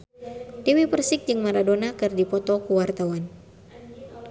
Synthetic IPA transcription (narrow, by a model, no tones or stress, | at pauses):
t̪iwipərsɪk̚d͡ʒɨŋmaɾadonakɨrdipɔt̪ɔkuwart̪awan